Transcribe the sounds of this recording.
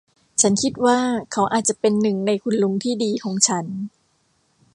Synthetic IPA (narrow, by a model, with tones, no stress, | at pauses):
t͡ɕʰa˦˥nkʰi˦˥t̪̚waː˥˩kʰa˦˥wʔa̰ː˨˩t̪̚t͡ɕa˨˩pe˧nːɯ˨˩ŋna˧jkʰu˧nlu˧˥ŋt̪ʰiː˥˩diː˧kʰɔː˨˦ŋt͡ɕʰa˦˥n